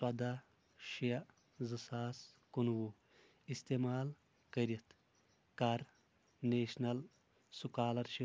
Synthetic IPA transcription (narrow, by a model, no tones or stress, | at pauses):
swɐd̪a | ʃijɐ | zɨsaːskunwu | ist̪eːmaːl | kɐɾit̪ʰ | kɐɾ | neːʃnɐl | sukaːlɐɾʃi